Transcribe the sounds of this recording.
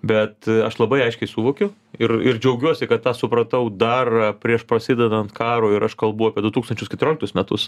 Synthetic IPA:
bʲɛt̪ɐʃlˠɐbɐɪɐɪʃʲkʲɛɪsuːʋoːkʲʊ | ɪrɪrd͡ʒʲɛʊɡʲuɔsʲɪkɐt̪t̪ɑːsʊpɾɐt̪ɐʊd̪ɑːrɐpʲɾʲiɛʃpɾɐsʲɪd̪ʲɛd̪ɐnt̪kɑːɾoːɪɾɐʃkɐlˠbʊɑːpʲiɛd̪ʊt̪uːkst̪ɐnʲt͡ʃʲʊskʲɛt̪ʊɾʲoːlʲɪkt̪ʊsmʲɛt̪ʊs

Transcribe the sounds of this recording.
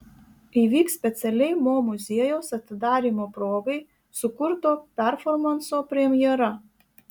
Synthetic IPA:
iːʋʲiːksʲpʲɛt̪sʲɛlʲɛɪmoːmʊzʲiɛjoʊsɐt̪ʲɪd̪ɑːɾʲiːmoːpɾoːɡɐɪ | sʊkʊɾt̪oːpʲɛɾfɔɾmɐnsoːpʲɾʲɛmʲjɛɾɐ

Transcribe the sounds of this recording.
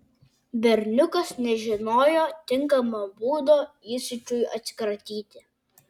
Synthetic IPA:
bʲɛɾʲnʲʊkɐsnʲɛʒʲɪnoːjoːt̪ʲɪŋˑkɐmɐbuːd̪oːiːsʲʊt͡ʃʲʊjʔɐ̰t̪ʲsʲɪ̥kɾɐt̪ʲiːt̪ʲɪ

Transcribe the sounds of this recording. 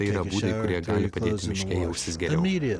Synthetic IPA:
ɐɪiːɾɐbuːd̪ɐɪkʊɾʲiɛɡɑːlʲɪpɐdʲeːt̪ʲɪmʲɪʃʲkʲɛɪjɛʊʃʲt̪ʲɪsɡʲɛɾɛʊɾʲ

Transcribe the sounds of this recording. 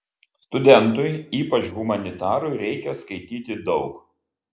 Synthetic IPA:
st̪ʊd̪ʲɛnˑt̪ʊɪiːpɐt͡ʃɣʊmɐnʲɪt̪ɑːɾʊɪɾʲɛɪkʲɛskɐɪt̪ʲiːt̪ʲɪd̪ɒʊk

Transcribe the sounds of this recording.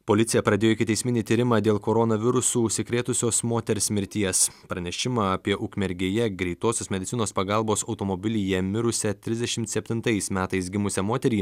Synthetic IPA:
poːlʲɪt̪sʲɪjɛpɾɐd̪ʲeːjoɪkʲɪt̪ʲɛɪsmʲɪnʲiːt̪ʲiːɾʲɪmɑːd̪ʲeːlˠkoːɾɔnɐʋʲɪɾʊsuːʊʃʲsʲɪkɾʲeːt̪ʊsʲoːsmoːt̪ʲɛɾʲsʲmʲɪɾʲt̪ʲiɛspɾɐnʲɛʃʲɪmɑːɐpʲiɛʔʊkmʲɛɾʲɡʲeːjɛɡɾʲɛɪt̪oːsʲoːsmʲɛd̪ʲɪt̪ʲɪnoːspɐɡɑˑlˠboːsɒʊt̪oːmobʲɪlʲɪjɛmʲɪɾʊsʲɛt̪ʲɾʲɪzʲd̪ʲɛʃʲɪmt̪sʲɛpʲt̪ʲɪnt̪ɐɪsmʲæːt̪ɐɪsɡʲɪmʊsʲɛmoːt̪ʲɛɾʲiː

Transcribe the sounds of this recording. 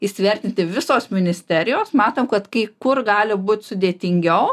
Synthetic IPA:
ɪsʲʋʲɛɾʲt̪ʲɪnʲt̪ʲɪʋʲɪsoːsmʲɪnʲɪsʲt̪ʲæːɾʲɪjoːsmɑːt̪oːmkɐt̪kɐɪkʊrɡɑːlʲɪbuːt̪ʲsʊd̪ʲeːt̪ʲɪŋʲɡʲɛʊ

